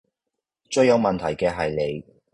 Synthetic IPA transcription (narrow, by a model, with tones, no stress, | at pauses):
t͡ʃɵ˧ɥjɐ˨˧wmɐ˨nt̪ʰɐ˨˩jkɛː˧ɦɐ˨jle˨˧j